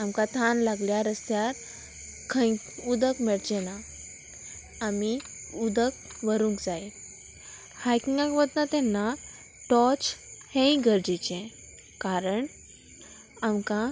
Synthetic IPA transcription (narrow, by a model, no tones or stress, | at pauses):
amkat̪ʰanlaɡljaɾəst̪jaɾ | kʰə̃j | ud̪əkmɛɭd͡ʑɛna | miud̪ək̚ʋəɾũŋkd͡zaj | hajkĩŋɡãkʋəd̪nat̪ɛnːa | ʈɔt͡ɕhẽĩɡəɾd͡ʑit͡ɕɛ̃ | kaɾəɳ | amkã